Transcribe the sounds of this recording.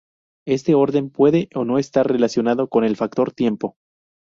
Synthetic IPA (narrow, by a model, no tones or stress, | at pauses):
e̞st̪e̞o̞ɾðe̞mpwe̞ðe̞ʔono̞est̪arre̞lasjo̞naðo̞ko̞ne̞lfak̚t̪o̞ɾt̪je̞mpo̞